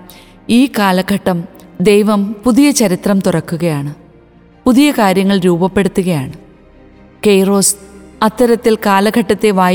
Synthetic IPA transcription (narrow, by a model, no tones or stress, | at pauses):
iːkaːlɐkɐʈːɐmd̪ejʋɐmpuðijɐt͡ɕɐɾit̪rɐmt̪urɐkːuɣɐjaːɳɨ | puðijɐkaːɾjɐŋːɐɭɾuːbɐpːe̞ɽut̪ːuɣɐjaːɳɨ | kejro̞ːsɐt̪ːɐɾɐt̪ːilkaːlɐɡʱɐʈːɐt̪ːe̞ʋaː